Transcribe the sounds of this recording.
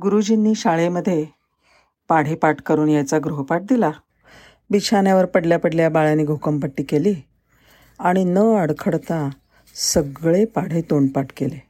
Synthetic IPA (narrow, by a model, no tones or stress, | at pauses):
ɡuɾud͡ʑinːiːɕaɭeməd̪ʱːje | paɽ̤epaʈkəɾuːnjat͡saɡɾoɦpaʈ̚d̪ila | bit͡ɕʰanjaʋəɾpəɽljapəɽljabaɭaniːɡʱokəmpəʈːiːkeliː | aɽ̃inəəɽkʰəɽt̪a | səɡɭepaɽ̤et̪oɳpaʈkele